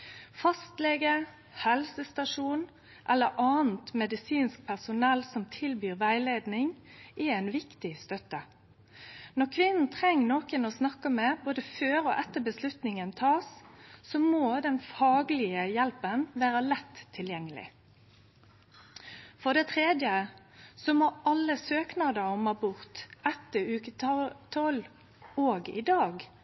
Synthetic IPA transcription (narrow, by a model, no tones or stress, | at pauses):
fɑst̪lɛɡə | hɛlsəst̪ɑʂuːn | ʔɛlːəɾʔɑːn̩t̪mɛd̪ɪsiːnsk̚pʰæʁsʊnɛlːsɔmt̪ʰɪlbyːʁʋæɪleːd̪nɪŋʔɛæɪnʋɪkt̪ɪst̪œt̪ə | nɔʁkʰʋɪnn̩t̪ʰʁɛŋːnoːkənoːsnɑkːəmɛboːd̪əføːɾo̰ːʔɛt̪ːəbəslʉt̪nɪŋənt̪ʰɑːsːɔmoːd̪ɛnfɑːɡlɪəjɛlpənʋæːɾəlɛt̪ʰːɪljɛŋːəlɪ̰ | fɔʁd̪ɛt̪ʰʁeːd̪jə | sɔmoɑlːəsøːknɑd̪əɾɔmɑbʊʁt̪ɛt̪ːəʉːkət̪ʰɔl | oːɡɪ̰d̪ɑːɡ